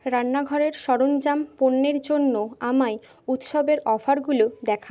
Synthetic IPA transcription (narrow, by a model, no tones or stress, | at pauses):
ɾanːaɡʱɔɾeɾʃɔɾond͡ʑamponːeɾd͡ʑonːoamae | ut̪ʃɔbeɾɔfʰaɾɡulod̪ɛkʰa